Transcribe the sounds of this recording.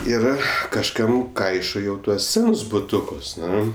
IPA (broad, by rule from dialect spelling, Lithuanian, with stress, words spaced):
ˈɪr kɐʃˈkɐm ˈkɐɪʃoː jɛʊ ˈtuɔs ˈsʲæːnʊs bʊˈtʊkʊs ˈnʊ